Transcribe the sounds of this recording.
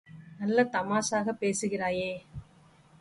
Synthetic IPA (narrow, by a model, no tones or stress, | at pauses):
nɐlːɐt̪ɐmaːsaːɣɐpːeːsɯɣɪraːjeː